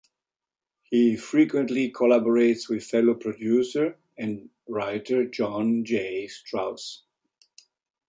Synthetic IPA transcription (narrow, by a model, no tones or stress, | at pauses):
hifɹikwɛ̃ntlikʰɔlabɔɹeɪtswɪð̥fɛlopʰɹɔdjusəɹ | ɛ̃n | ɹaɪtʰəɹd͡ʒɔ̃nd͡ʒestɹaʊs